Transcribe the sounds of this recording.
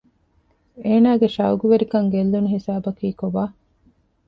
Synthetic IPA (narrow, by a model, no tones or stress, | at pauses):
eːnaːɡeʃɐuɡuʋeɾikɐŋɡelːunuɦisaːbɐkiːkobaː